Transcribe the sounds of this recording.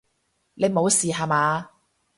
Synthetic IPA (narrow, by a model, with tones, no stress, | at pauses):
ne˨˧jmo˨˧wsiː˨ɦa˨maː˨˧